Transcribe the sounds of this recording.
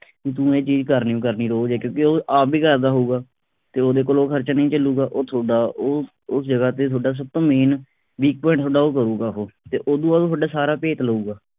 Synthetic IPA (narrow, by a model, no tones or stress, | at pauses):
kit̪ũːeːt͡ʃiːd͡ʒkəɾniːũkəɾniːɾoːd͡ʒɛːkjõːkeoːʔaːpiːkəɾd̪aːɦoːɡaː | t̪eːoːd̪eːkoːloːkʰəɾt͡ʃanəĩːt͡ʃəlːuːɡaːʔoːt̪ʰoːɖaːoː | ʊsd͡ʒəɡaːt̪eːt̪ʰoːɖaːs̬əb̚t̪õːmeːn | biːk̚pɔːɪ̃ɳʈ̚t̪ʰoːɖaːoːkəɾuːɡaːɦoːt̪eːʔoːd̪ũːaːd̪t̪ʰoːɖaːsaːɾaːpeːt̪ləuːɡaː